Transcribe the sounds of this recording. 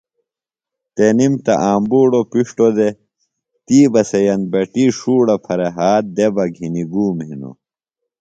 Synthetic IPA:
t̪enimt̪ɐ̰ʔaːmbuːɽopiʂʈod̪e | t̪iːbɐsejɐn̚bɐʈiʂuːɽɐpʰɐɾeɦaːt̪̚d̪ebɐɡʱiniɡuːmɦḭno̰

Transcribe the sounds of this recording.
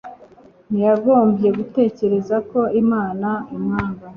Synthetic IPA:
nijaɡo̞ːmbje̞ɡute̞ːce̞ɾe̞zako̞imaːnaimŋaːŋɡa

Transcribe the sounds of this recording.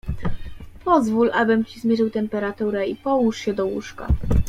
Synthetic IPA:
pɔzvulʔabɘmt͡ɕizmʲjɛʐɘwt̪ɛmpɛɾat̪uɾɛipɔwuʂɕɛd̪ɔwṵʂka̰

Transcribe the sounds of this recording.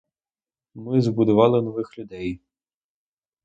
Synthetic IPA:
mɪzbʊd̪ʊʋɑlˠɪnɔʋɪxlʲʊd̪ɛj

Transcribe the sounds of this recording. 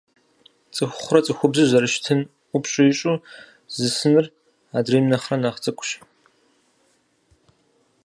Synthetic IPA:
t͡sʼɨxʷχʷʊrɐt͡sʼɨxʷʊbzɨʑɐɾɨʃtʰɨnʷ | ʊpɕʼʊɪɕʼu | zɨsɨnɨr | aːdreːmnɐχrɐnaːχt͡sʼɨkʷʼʊɕ

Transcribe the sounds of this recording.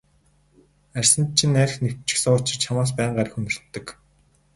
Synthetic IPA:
ærʲsə̆n̚t͡ɕʰĭnːæɾ̆ʲxnewt͡ɕɪ̥̆xsʊːt͡ɕʰɪ̆t͡ɕʰamaːs̬pæːɴɢaɾə̆xunɵ̆r̥t̪ːɘ̆k

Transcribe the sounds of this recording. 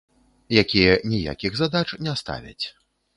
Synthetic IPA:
jakʲijɛnʲija̰kʲiɣzad̪at͡ʂnʲɛst̪a̰vʲɐ̰t͡sʲ

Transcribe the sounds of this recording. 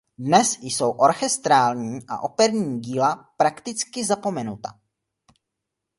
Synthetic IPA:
dnɛsjso̞wʔo̞ɾxɛst̪ɾaːlɲiːʔa̰ʔo̞pɛɾɲiːɟiːlapɾakt̪ɪt͡skɪzapo̞mɛnut̪a̰

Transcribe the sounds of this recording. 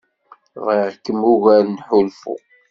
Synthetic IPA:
ðiʁkːəmuɣæɾnħʊlfṵ

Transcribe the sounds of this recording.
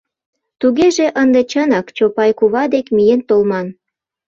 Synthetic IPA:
t̪uɣeʒeʔənd̪e̽t͡ɕənɑkt͡ɕopɑjkuβɑd̪ekmijent̪olmɑn

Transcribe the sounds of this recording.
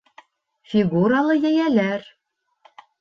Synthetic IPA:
fʲiɡuɾalˠɤjæjælæɾ

